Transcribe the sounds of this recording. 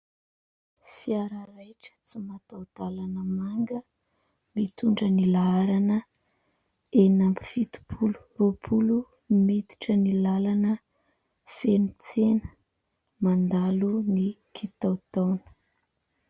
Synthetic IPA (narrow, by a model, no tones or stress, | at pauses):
fiaɾəɾajʈ͡ʂə̥t͡simat̪awd̪alanəmaŋɡə | mit̪uɳɖ͡ʐənilaaɾanə | enambi̥fit̪u̥pʰulu̥ropʰulu | mit̪i̥ʈ͡ʂənilalanə | fenut͡senə̥ | mand̪alunikʰit̪awt̪awnə̥